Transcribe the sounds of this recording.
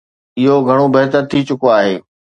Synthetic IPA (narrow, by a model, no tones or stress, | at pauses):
ɪɦoɡʱɐɽ̃obɐɦt̪əɾt̪ʰit͡ɕʊkoaːɦeː